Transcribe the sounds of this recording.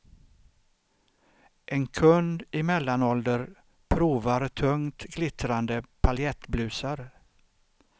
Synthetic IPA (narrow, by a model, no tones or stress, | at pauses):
ʔɛnkʰɵnd̪ɪmɛlːanɔld̪əɾ | pʰɾuːvaɾt̪ʰɵŋt̪ɡlɪt̪ɾand̪əpʰaljɛt̪blʉ̟ːsaɾ